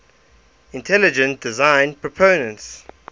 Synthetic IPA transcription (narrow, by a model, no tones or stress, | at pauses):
ɪ̃ntʰɛlɪd͡ʒə̃nt̚d̥ɪzãɪ̃npʰɹ̥ɔpʰõʊnə̃nts